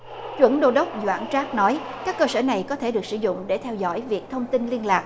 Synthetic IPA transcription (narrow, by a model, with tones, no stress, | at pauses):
t͡ɕwə̰˧˥nɗo˧ɗə˦˥wk͡p̚zwa̰ː˧˩nt͡ɕaː˦˥k̚nɔ˨˦jkaː˦˥kːəː˧səː˧˩na˨˩jkɔ˨˦t̪ʰe˧˩ɗɨ˨˩ək̚sɨ̰˧˩˦zʊ̰˧˨ŋ͡mɗe˧˩t̪ʰɛ˧wzɔ̰˧˥jvi˨˩ək̚t̪ʰə˧wŋ͡mt̪i˧nli˧ənlaː˨˩k̚